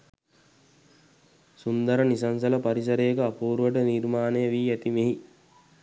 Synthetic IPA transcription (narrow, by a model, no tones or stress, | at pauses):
sund̪ɐɾənisɐnsɐlɐpɐɾis̬ɐɾejːkəapuːɾuʋəʈənirmaːnejəʋiːæt̪imeɦi